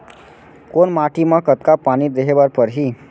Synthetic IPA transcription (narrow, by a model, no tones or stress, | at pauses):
konmaʈimãkət̪kapañid̪eɦeʋaɾpəɾɦi